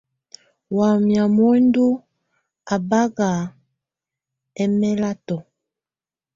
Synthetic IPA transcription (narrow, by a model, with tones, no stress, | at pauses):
wa˨mja˨mwe˦ndu˦ | a˨ba˦ɡa˨ | ɛ˦mɛ˦la˦tɔ˨